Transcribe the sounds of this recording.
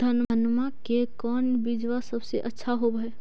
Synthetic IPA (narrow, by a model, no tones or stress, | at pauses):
d̪ʱənənmakekənbid͡ʒʋasəbseʔətːʃʰaɦobəe